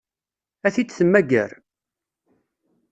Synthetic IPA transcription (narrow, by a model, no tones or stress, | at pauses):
æθit͡sːθəmːæɡə̰ɾ